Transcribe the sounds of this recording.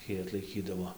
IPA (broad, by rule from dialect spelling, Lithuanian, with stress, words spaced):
ˈtʲiː ɐtlˠɐɪˈkʲiːdɐʋoː